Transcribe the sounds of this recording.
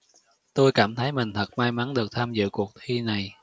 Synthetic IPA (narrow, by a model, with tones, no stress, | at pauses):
t̪o˧jkaː˧˩mt̪ʰə˨˦jmï˨˩ŋ̟t̪ʰə˨˩t̚maː˧jma˨˦nɗɨ˨˩ək̚t̪ʰaː˧mzɨ̰˧˨ku˨˩ək̚t̪ʰi˧na˨˩j